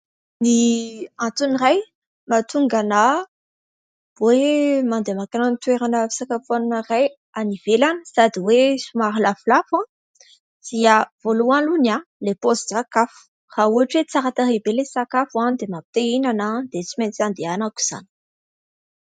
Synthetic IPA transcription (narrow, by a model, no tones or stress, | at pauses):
niat̪uniraj | mat̪uŋɡana | wemand̪emakananit̪weɾanəfi̥sakafannəraj | anivelanəsad̪iwesumaɾilaflafã | d̪̥iav̥olualunalepozd̪rakafu̥ | rauaʈ͡ʂwet͡saɾat̪aɾebelesakafuad̪emapi̥t̪einanad̪et͡siment͡sand̪eanaku̥z̥a̰ni̥